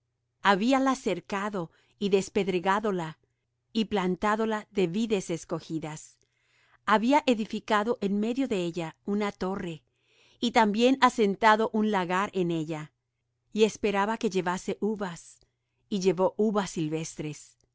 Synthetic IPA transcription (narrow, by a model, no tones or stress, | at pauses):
aβialase̞ɾkaðo̞ | iðe̞spe̞ðɾeɣaðo̞la | iplant̪aðo̞laðe̞βiðe̞se̞sko̞xiðas | aβiaʔeðifikaðo̞ʔe̞nme̞ðjo̞ðe̞eʝaunat̪o̞re̞ | it̪ambje̞nase̞nt̪aðo̞ʔunlaɣaɾʔe̞ne̞ʎa | ie̞spe̞ɾaβake̞ʝe̞βase̞ʔuβas | iʝe̞βo̞ʔuβasːilβe̞st̪ɾe̞s